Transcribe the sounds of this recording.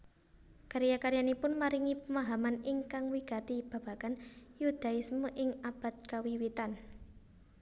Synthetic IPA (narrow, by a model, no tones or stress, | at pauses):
kaɾjakaɾjanipʊnmaɾiŋipəmaɦamanɪŋkaŋwiɡa̤t̪ib̥ä̤b̥a̤kanjud̪̥a̤ɪsmuʔɪŋab̥a̤t̪̚kawiwit̪an